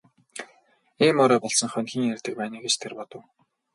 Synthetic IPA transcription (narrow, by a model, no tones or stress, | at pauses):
eːmʊːɾɔːpɔɮsɞ̆ŋχœnʲxʲiːŋjerʲt̪ɘ̆k̚pæːniːɡet͡ɕt̪ʰerpɔt̪ɞ̆w